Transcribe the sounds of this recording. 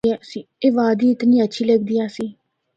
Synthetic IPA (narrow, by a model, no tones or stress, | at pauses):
ɛːsiːeːʋaːd̪iːɪt̪nĩːətːʃʰiːləɡ̚d̪ijaːsiː